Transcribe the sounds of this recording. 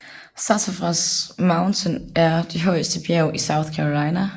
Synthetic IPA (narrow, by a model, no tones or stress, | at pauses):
sɑsafʁɑsmɑ̈ʊnt͡sʰənæɐd̥e̝ɦɒɪsd̥əb̥jɛʊʔisɑ̈ʊθkʰæʁolɑ̈ɪnæ